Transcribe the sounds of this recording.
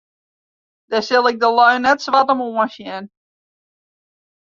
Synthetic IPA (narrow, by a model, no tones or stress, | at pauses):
d̥ɛsɪlˠɪk̚dəlœɥnɛtsʋatəmoə̃nʃjɛn